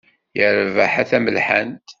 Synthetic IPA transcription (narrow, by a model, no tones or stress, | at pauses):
jəɾvaħæθæməlħə̰nt̪